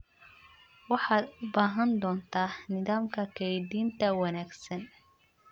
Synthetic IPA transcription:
wɑħɑːd̪ʊbaːɦɐnd̪ɔːnt̪ʰaːnɪðaːmkʰɐkʰɐjd̪iːnt̪ʰɐwɑnaːɡsɐn

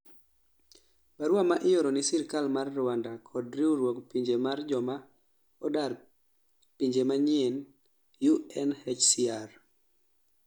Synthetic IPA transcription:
paɾwamaʔɪjoɾɔnɪsɪɾkalmarːʊwandakʰɔdɾiuɾwokpiɲd͡ʒemard͡ʒɔma | ɔdar | piɲd͡ʒemaɲɪen | juɛnhet͡ʃsiar

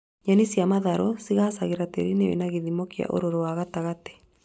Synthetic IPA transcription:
ɲanisjamaðaɾɔsiɣasaɣeɾatḛɾinewḛnaɣeðimokia̰ʔo̰ɾoɾowaɣataɣate̥

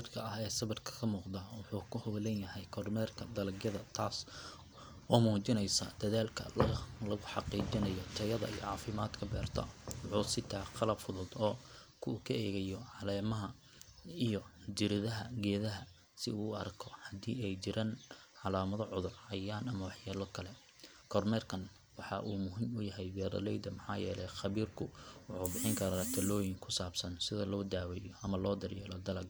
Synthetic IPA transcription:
rkʰɐɐhɛːsɐβɐrkʰɐ̥kʰɐmuːqd̪aːwʊħuːkʰʊhɔwlɛnjɐhɛjkʰɔrmɛːrkʰɐd̪ɐlɐɡjɐðɐt̪ʰaːs | wɔːmuːt͡ʃɪnɛjsɐ̰d̪̥ɐðaːlkʰɐ̰lɐlɐɣʊħɑqiːt͡ʃɪnɐjɔt̪ʰɐjɐðɐ̰ḭjɔ̰ʕɑːfɪmaːd̪kʰɐbɛ̰ːrt̪ʰɐ̰wʕuːsɪt̪ʰaːqɑlɐbfʊðʊd̪ɔːkʰʊːkʰɐɛːɣɐjɔʕɑlɛːmɐɦɐ | ijɔd͡ʒɪɾɪðɐɦɐɡɛːðɐɦɐ | sɪuːɐrkʰɔhɐd̪iːɛjt͡ʃɪɾaːnʕɑlaːmɐðɔʕʊðʊrhɐjaːnɐmɐwɑħjɛːlɔkʰɐlɛ | kʰɔrmɛːrkʰɐn | wɑħɑʔuːmʊɦɪmʊjɐɦɛjbɛːɾɐ̰lɛjd̪ɐmɑħɑ̰ːjɛ̰ːlɛjχɑβiːrkʰʊwɑħʊːbɪħɪŋkʰɐɾɐt̪ʰɐlɔːjɪŋkʰʊ̥saːbsɐnsɪðɐlɔːd̪aːwɛːjɔʔɐmɐlɔːd̪ɐrjɛːlɔd̪ɐlɐɡ

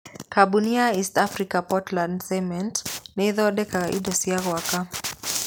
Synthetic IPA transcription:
kʰaɓuniaistafɾikapɔtlandsɛmɛntnɛðɔɗɛkaʔḭɗɔsiaɣwaka

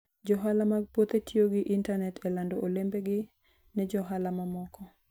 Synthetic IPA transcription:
d͡ʒɔɦalamaɡ̚pwot̪etʰioɡɪʔintanɛtʰɛlandɔʔolembeɡɪ | nɛd͡ʒɔɦalamamɔkɔ

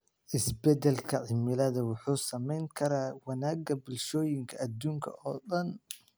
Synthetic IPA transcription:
ʔɪsbɛd̪ɛlkʰɐʕɪmɪlɐðɐwʊħuːsɐmɛjŋkʰɐɾaːwɐnaːɡɐbɪlʃɔːjɪŋkʰɐɐd̪uːŋkʰɐ̰ʔɔːɗɐn

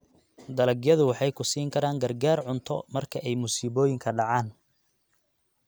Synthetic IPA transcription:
d̪ɐlɐɡjɐðʊwɑħɑjkʰʊsiːŋkʰɐɾaːŋɡɐrɡaːrʕʊnt̪ʰɔmɐrkʰɐʔɛjmusiːβɔːjɪŋkʰɐɖɑʕɑːn

